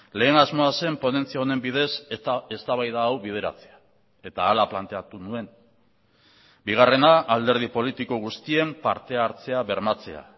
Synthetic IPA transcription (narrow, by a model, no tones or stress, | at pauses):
le̞ːnazmo̞ase̞mpone̞nt͡siaone̞mbið̞e̞se̞st̪aβajðaːwβið̞e̞ɾa̰t͡se̞a | e̞t̪aːlaplant̪e̞at̪unue̞n | biɣ̞are̞naʔːld̪e̞ɾð̞ipo̞lit̪iko̞ɣ̞ust̪ie̞mpa̰ɾt̪e̞aɾt͡se̞aβe̞ɾmat͡se̞̰a̰